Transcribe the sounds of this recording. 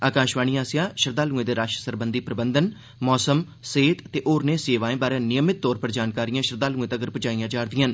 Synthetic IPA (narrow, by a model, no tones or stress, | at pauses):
aːkãːʃʋaːñijãːsɪjãːʃəɾd̪aːlũːẽd̪eːɾaːʃəsəɾbənd̪iːpɾəbənd̪ən | mɔːsəm | seːt̪t̪eːʔoːɾneːseːʋaːẽːbaːɾeãːnɪjəmɪt̪̚ːɔːɾpəɾd͡ʒaːnkaːɾijãːʃəɾd̪aːlũːẽːt̪əɡəɾpət͡ʃaːijãːd͡ʒaːɾd̪ɪjãːn